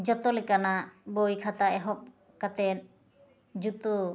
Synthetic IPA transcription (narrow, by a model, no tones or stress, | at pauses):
d͡ʒɔt̪ɔlɛkanabojkʰat̪aɛɦɔp̚ | kat̪ɛɾ | d͡ʒut̪u